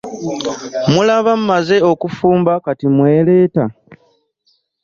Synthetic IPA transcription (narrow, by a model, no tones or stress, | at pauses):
mulaβam̩ːaze̞o̞kufuːmbakatimwe̞ːle̞ːta